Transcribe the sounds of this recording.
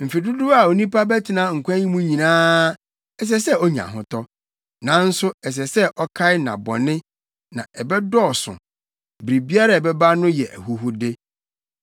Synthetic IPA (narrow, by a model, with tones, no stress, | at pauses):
m̩˨fe˨du˦du˦a˨o˨nĩ˦pa˦bɛ˦tʰɪ˨nã˦˨ŋ̩˨kʷʰã˦ɲĩ˦mũ˦ɲĩ˨nãː˦ | ɛ˨s̬ɛ˦sɛ˦ɔ˦ɲã̰˨ɦʊ̃˦tʰɔ˦ | nã˨˦n̩˦sʊ˦ɛ˨s̬ɛ˨sɛ˦ʔɔ˦kʰa˦ɪ˦nã̰˨bɔ̰̃˨nɪ̃˦ | nã̰˨ɛ˨bɛ˦dɔː˦˨sʊ̰̃˨ | bɾi˨bi˦a˦ɾa˦˨ɛ˨bɛ˦ba˦nʊ̃˦jɛ˨ʔæ̰˨ɦu˦ɦʊ˦de˦